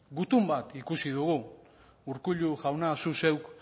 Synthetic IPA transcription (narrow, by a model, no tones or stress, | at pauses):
ɡut̪umbat̪ikusiðuɣu | uɾkuʎuʝawnasuse̞wk